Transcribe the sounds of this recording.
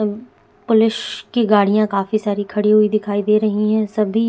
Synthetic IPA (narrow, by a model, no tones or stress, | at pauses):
pʊlɪʃkiɡaːɽijãkaːfisaːɾikʰɐɽiɦuid̪ɪkʰaːid̪eːɾɐɦiɦɛ̃sɐbʱi